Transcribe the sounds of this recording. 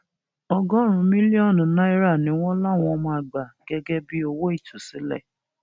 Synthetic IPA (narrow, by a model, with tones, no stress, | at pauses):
ɔ˧ɡɔ˦˨ɾ̃ũ˨˧˦mĩ˦li˦ɔ˦˨ñ˨nã˦i˦ɾa˦˨nĩ˨˦w̃ɔ̃˦la˦˨w̃ɔ̃˧mã˧a˨ɡ͡ba˨ɡ̥ɛ˧ɡɛ˦bi˦o˧wo˦i˦˨tʰu˨si˨˦lɛ̰˦˨